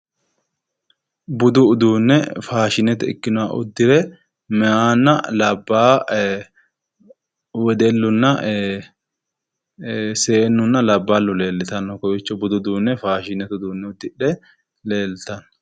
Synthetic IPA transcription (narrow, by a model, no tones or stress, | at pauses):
bʊd̪ʊːd̪uːnːɛfaːʃɪnɛt̪ɛɪ̰kːɪnʊwaːʔʊ̰d̪ːɪɾɛ | mɛaːnːɐlɐbːaː | wɛd̪ɛlːʊnːɐ | seːnːʊnːɐlɐbːaːlːʊle̞ːlːɪt̪ɐnːɔkɔwɪt͡ʃːɔbʊd̪ʊd̪uːnːɛfaːʃɪnɛt̪ʊd̪uːnːɛʊd̪ːɪɗɛ | le̞ːlt̪ɐn